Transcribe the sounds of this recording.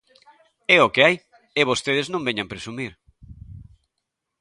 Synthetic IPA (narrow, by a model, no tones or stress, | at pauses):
ɛokeaj | eβ̞ost̪eð̞ɪznõmbeɲampɾesumiɾ